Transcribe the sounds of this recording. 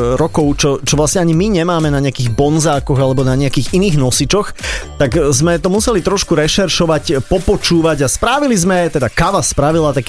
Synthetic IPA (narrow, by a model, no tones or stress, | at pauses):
ɾɔkɔʊt͡ʃɔt͡ʃɔʋlasɲɛaɲimiɲɛmaːmɛnaɲɪakiːɣbɔnzaːkɔɣalɛbɔnaɲɛakiːɣiniːɣnɔsit͡ʃɔxt̪akzmɛt̪ɔmusɛlit̪ɾɔʃkuɾɛʃɛɾʃɔʋacpɔpɔt͡ʃuːʋaɟaspɾaʋilizmɛt̪ɛd̪akaʋaspɾaʋilat̪ak